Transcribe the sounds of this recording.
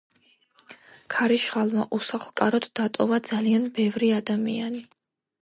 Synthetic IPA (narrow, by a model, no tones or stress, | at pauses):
kʰaɾiʃχalˠmaʔusaχlˠkʼaɾɔt̪d̪at̪ʼɔvad̪z̥alianbɛvɾiad̪amḭani